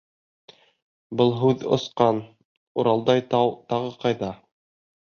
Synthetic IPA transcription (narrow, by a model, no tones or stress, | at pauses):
bɤlˠɦʉðŏ̰sqɑn | uɾɑlˠd̪ɑjt̪ɑwt̪ɑʁɤqɑjðɑ